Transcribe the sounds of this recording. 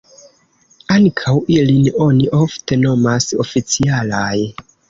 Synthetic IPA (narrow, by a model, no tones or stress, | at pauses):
aŋkʰawʔilino̞niʔofte̞nomaso̞fit͡sialaj